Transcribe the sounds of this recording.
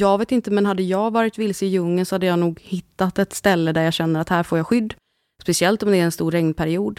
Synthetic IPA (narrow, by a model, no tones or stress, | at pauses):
jɑːɡveːt̪ɪnt̪əmɛnhad̪ːəjɑːɡvɑːɾɪt̪vɪlsɪɪjɵŋːənsɔhad̪ːəjɑːnuːɡhɪt̪ːat̪ɛt̪st̪ɛlːəd̪æɾjɑːɕɛnːəɾat̪hæːɾfoːjɑːɧʏd̪ː | spɛsɪɛlt̪ɔmd̪ɛæɾɛnst̪uːɾːɛŋnpʰæɾɪuːd̪